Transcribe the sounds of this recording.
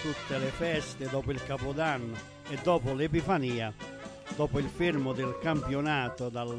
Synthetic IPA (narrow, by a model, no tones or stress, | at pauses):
t̪ut̪ːelɪfɛst̪ɪd̪ɔːpʊilkapʊd̪anːʊ | ɛd̪ːɔːpʊlepifaniːa | d̪ɔːpʊilfiɾmʊd̪ɪlkampjonaːt̪ʊd̪al